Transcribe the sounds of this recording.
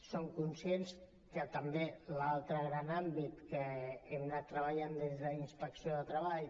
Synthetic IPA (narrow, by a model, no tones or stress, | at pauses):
soŋkunsjens | kət̪əmbelalˠt̪ɾəɣɾanambit̪kəɛmnat̪ːɾəβəʎand̪ezðəinspəksioðət̪ɾəaʎ